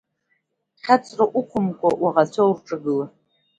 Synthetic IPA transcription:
χʲat͡sʰʼraʔukʷʰʊmkʷʼawaʁat͡sʷʰowrʈ͡ʂʼɨɡɨla

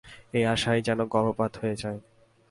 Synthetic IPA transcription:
ejaʃajd͡ʑɛnoɡɔɾopad̪ɦhoed͡ʑae

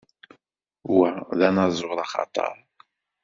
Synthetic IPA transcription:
wæðænɑzˤʊʁlˤɑχɑ̰t̪ˤɑ̰ɾˤ

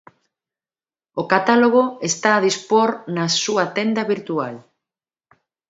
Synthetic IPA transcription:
okat̪aloɣ̞oest̪aːðispoɾnɐsuɐt̪end̪ɐβiɾt̪ual

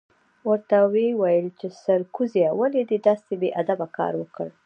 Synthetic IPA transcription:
wəɾt̪awewajəlt͡ʃesaɾkuzjawaled̪əd̪ast̪ebeʔad̪abakɑ̰ɾwəkəɽ

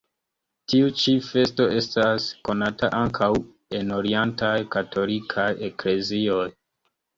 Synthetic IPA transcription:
tiut͡ʃife̞sto̞e̞stasko̞nataʔaŋkʰaw | e̞no̞ɾientajkatʰo̞likʰaje̞kle̞zio̞j

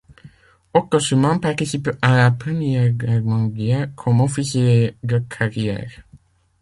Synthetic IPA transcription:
okɔsəmɑ̃paʁt̪isipalapχəmjɛʁɛʁmɑ̃ɡjɛʁkʰɔmɔfisjed̪əkʰaʁjɛ̰ːʁ

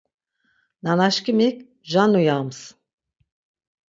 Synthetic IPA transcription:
nanaʃkimikʲ | ʒanujams

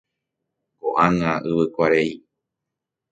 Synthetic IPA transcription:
ɡoʔãŋãʔɨβɨkʷaɾei

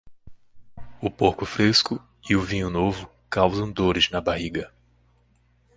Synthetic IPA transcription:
ʊpoɾkʊfɾeskʊ | iʊvĩɲʊnovʊ | kawzɐ̃w̃d̪oɾɪznɐbaɦiɡɐ

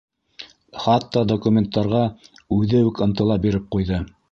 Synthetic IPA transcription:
χɑt̪ːɑd̪okumʲent̪ːɑɾʁɑ | ʉðɘʉkɤ̆nt̪ɤ̆lˠɑp̚biɾɘp̚qujðɤ

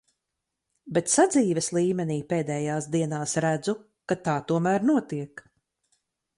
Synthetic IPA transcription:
bɛt̪sad̪ziːvɛslˠiːmeniːpeːd̪ɛːjaːsd̪iɛnaːsɾæd̪zu | kat̪aːt̪uɔmæːɾnuɔt̪iɛk

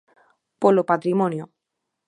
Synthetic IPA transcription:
polopat̪ɾimonjo

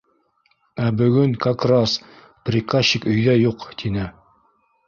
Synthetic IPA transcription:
æbɵ̆ɡɵŋkɑkrɑs | prʲikaɕikɵ̆jðæjuqt̪ʰinɘ

